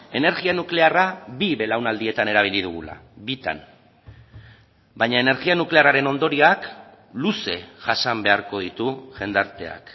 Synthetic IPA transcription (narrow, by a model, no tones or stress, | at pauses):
e̞ne̞ɾɣianukle̞araβiβe̞lawnald̪ie̞t̪ane̞ɾaβ̞ilið̞uɣ̞ṵla̰bit̪a̰n | bajɲaene̞ɾɣianukle̞araɾe̞no̞nd̪o̞ɾiak | luse̞ʝasambe̞aɾko̞ðit̪uʝe̞nd̪aɾt̪e̞a̰k